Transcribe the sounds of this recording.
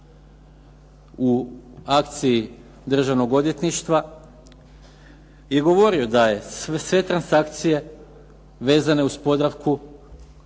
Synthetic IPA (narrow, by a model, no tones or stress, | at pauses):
uakt̪sii | d̪r̩ʒaʋno̞ɡo̞d̪je̞t̪niʃt̪ʋa | je̞ɡo̞ʋo̞ɾio̞d̪aje̞ssʋe̞t̪ɾansakt̪sije̞ | ʋe̞ːzane̞uspo̞d̪ɾaʋku